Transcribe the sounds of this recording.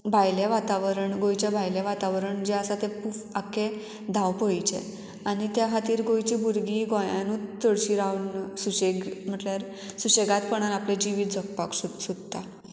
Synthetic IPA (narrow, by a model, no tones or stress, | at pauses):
bʱajleʋat̪aʋəɾəɳɡojt͡ɕabʱajleʋat̪aʋɾəɳd͡ʑɛəsat̪ɛ̃pufakẽ | d̪ʱawpojt͡ɕḛ | anit̪jaɦat̪iːɾɡojt͡ɕibuɾɡiɡɔ̃jãnut̪əɽɕiːɾawnsuɕeɡm̤əʈljaɾ | suɕeɡat̪pəɳanapled͡ʑiʋiːt̪d͡zʱəkpaksusud̪t̪a